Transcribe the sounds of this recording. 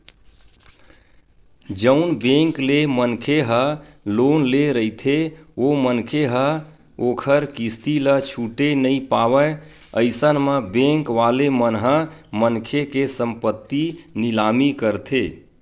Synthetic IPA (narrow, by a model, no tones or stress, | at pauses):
d͡ʒəʊnbẽŋklemənkʰeɦə | lonleɾəit̪ʰeomənkʰeɦə | okʰəɾkist̪ilət͡ʃʰuʈenəipawə | əɪsənmə̃bẽŋkʋalemənɦə̃mənkʰekesəmpət̪ːinilamikəɾt̪ʰe